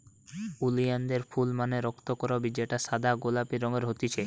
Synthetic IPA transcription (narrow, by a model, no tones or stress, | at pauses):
ulijand̪eɾfulmaneɾɔkt̪okɔɾabid͡ʑeʈasad̪ʱaɡolapiɾɔŋeɾɦot̪it͡ɕʰe